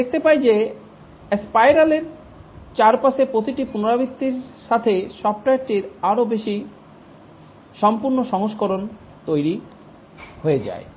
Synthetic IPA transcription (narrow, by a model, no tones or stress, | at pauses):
d̪ek̚t̪epajd͡ʑe | espajɾaleɾ | t͡ɕaɾpaʃepɾot̪iʈipunoɾabit̪ːiɾʃat̪ʰeʃɔp̚ʈajʈiɾaɾobeʃi | ʃɔmpuɾnoʃɔŋoʃkoɾon | t̪ojɾi | hoed͡ʑa̰e